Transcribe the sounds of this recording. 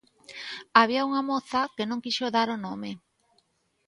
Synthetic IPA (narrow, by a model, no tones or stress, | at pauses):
aβ̞iauŋamoθakenõŋkiʃoðaɾonome